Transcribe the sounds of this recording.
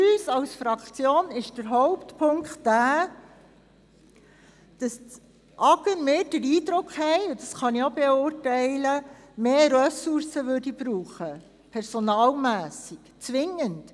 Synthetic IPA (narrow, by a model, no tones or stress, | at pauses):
yːsɑlsfɾɑkt͡sjoːnɪʃd̥əɾɦɔʊptpʰʊŋkχtːæː | d̥ɑs | ʔɑɡ̥əɾmɪːɾd̥əɾiːdɾʊkχhɛɪʊd̥ɑsχɑniobeʊrtɛɪləmeːɾœsʊɾsəʋʏɾdib̥ɾuːχə | pʰɛɾsɔnɑːlmæːsikt͡sʋɪŋːənt